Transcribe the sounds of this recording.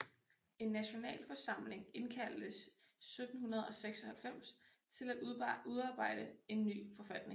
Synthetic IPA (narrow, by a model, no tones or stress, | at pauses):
e̝nːæɕo̝nɛ̰ːlfɒ̽sɑ̈m̰le̝ŋe̝nkʰæl̰d̥əsː | ød̥n̩hunɐð̞ˠɒ̽seɡ̥sɒ̽hælfem̰s | t͡sʰe̝læd̥uðˠɑ̈ːb̥ɑ̈ɪ̰d̥əe̝nːy̰ːfɒ̽fæd̥ne̝ŋ